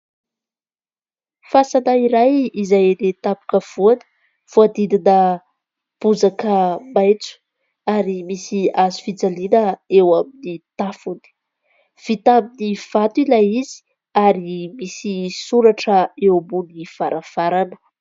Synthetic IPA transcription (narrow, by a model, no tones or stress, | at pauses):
fasanaiɾajizajlet̪apu̥kəv̥uanə̥ | v̥uad̪id̪inə | b̥uzakəmajt͡su̥ | aɾimisiazu̥fid͡zalinəewaminit̪afuni̥ | v̥it̪aminiv̥at̪uilajizi̥ | aɾimisisuɾaʈ͡ʂəewmbuniv̥aɾʔav̥aɾanu̥